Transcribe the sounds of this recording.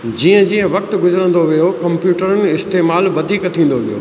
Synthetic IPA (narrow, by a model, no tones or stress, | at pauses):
d͡ʑiːə̃d͡ʑiːə̃ʋɐk̚t̪ɡʊzəɾə̃n̆d̪oʋijokɐ̃mpjuːʈəɾənɪ̆ɪst̪eːmaːlʋɐd̪ʱiːkt̪ʰĩːn̆d̪oʋijo̰ː